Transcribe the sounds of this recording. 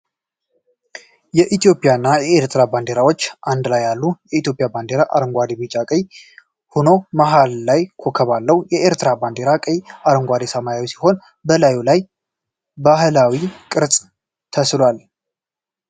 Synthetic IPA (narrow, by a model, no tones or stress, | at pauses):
jɛʔit̪ʰijo̞pʼjanːajɛeɾt̪ʰɾaband̪eɾawo̞t͡ʃːʔand̪lajːalːujɛit̪jo̞pʼjaband̪eɾaʔa̰ɾəŋɡʷad̪ebit͡ʃʼakʼəj | hono̞maɦalːajkʰokʰəβalːəwjɛʔeɾt̪ɾaband̪e̞ɾakʼəjaɾəŋɡʷad̪esəmajawisi̥ho̞n | bəlajulaj | bahlawikʼɨɾt͡sʼ | t̪ʰəslwal